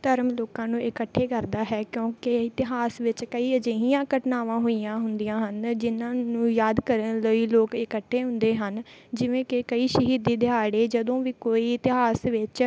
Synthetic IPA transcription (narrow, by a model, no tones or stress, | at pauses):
t̪əɾəmloːkãːnũːɪkəʈʰːeːkəɾd̪aːɦɛːkjõːkɪɪt̪ɪɦaːsʋɪt͡ʃkəiːəd͡ʒeːɦĩjãːkəʈnaːʋãːɦoːijãːɦʊnd̪ijãːɦənd͡ʒɪnãːnũːjaːd̪kəɾənləiːloːkɪkəʈʰːeːɦʊ̃nd̪eːɦənd͡ʒɪʋẽːkɪkəiːʃəɦiːd̪iːd̪ɪaːɽeːd͡ʒəd̪õːʋiːkoːiːɪt̪ɪɦaːsʋɪt͡ʃ